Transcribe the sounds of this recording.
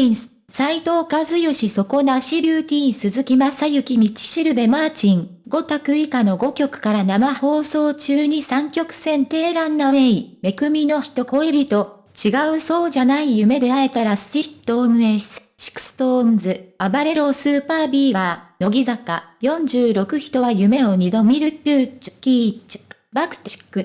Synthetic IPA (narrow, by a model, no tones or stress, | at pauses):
i | sait̪o̞ːkazɨjo̞ɕiso̞ko̞naɕibʲɯːt̪ʲiːĩsɨzɨkʲimasajɯ̟kʲimʲit͡ɕi̥ɕiɾɯ̟be̞maːt͡ɕĩŋ | ɡo̞t̪akɯ̟ikano̞ɡo̞kʲo̞kɯ̟̥kaɾanamaho̞ːso̞ːt͡ɕɨːɲ̟isãŋkʲo̞kɯ̟̥sẽ̞nt̪e̞ːɾãnːaeime̞kɯ̟mʲino̞çi̥t̪o̞ko̞ebʲit̪o̞ | t͡ɕiɡaɯ̟so̞ːʑanaijɯ̟me̞d̪e̞ae̞t̪aɾasɨ̥ɾʲit̪ːomɯ̟e̞̥sɨ̥ɕi̥kɯ̥st̪oːmzɨabaɾe̞ɾo̞sɨːpaːbʲiːbaːno̞ɡʲizakajõ̞ɲ̟d͡ʑɨːɾo̞kɯ̟çi̥t̪o̞βajɯ̟me̞o̞ɲ̟id̪o̞mʲiɾɯ̟kʲɯːt͡ɕkʲiːt͡ɕ | bakɯ̟̥t̪i̥kːɯ̟